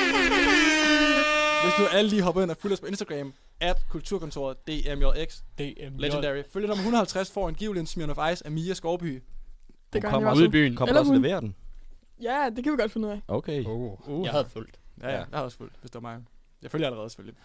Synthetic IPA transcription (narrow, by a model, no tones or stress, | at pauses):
ʋesd̥uæləliːɦɒ̽b̥ɐenæful̥ɒ̽spʰɒ̽e̝nsd̥æɡ̥ʁɛːm | æb̥kʰult͡sʰuɐ̰kʰɔ̽nt͡sʰo̝ɐd̥e̝̰ːemjoeɡ̥sle̥dæʁiføljənɒ̽mɐɦunð̩ˠhælt͡sʰʁæsfɒ̰ːænɡ̥iʊlensmionɒfɑ̈ɪsæmiːæsɡ̥ɒːb̥y̰ːd̥eɡ̥ɒuðˠb̥y̰ːn̩kʰɒ̽mlɐsleʋe̝̰ːɐd̥en | jæd̥e̝kʰæʋiɡ̥ɒd̥fe̝nuð̰ˠɛʔokʰe | hðful̰d̥jæjæjɑhɑðˠɔ̽sfṵl̰d̥ʋesd̥e̝ʋɐmɑ̈ŋ | jɑɪføljɐæləʁɛːðˠse̥følji